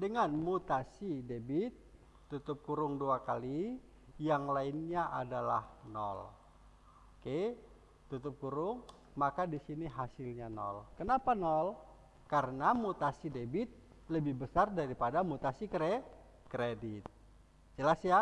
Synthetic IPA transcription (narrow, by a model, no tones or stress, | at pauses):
dəŋanmut̪asidebit̪ː | ut̪ʊp̚kuɾʊŋduakali | jaŋlainɲaʔadala̰hnɔ̰l | oke | t̪ut̪ʊp̚kuɾʊŋ | makadisiniɦasɪlɲanɔ̰lkənapanɔl | kaɾənamut̪asidebɪt̪̚ | ləbɪhbəsardaɾipadamut̪asikɾe | kɾedɪt̪̚ | d͡ʒəlasja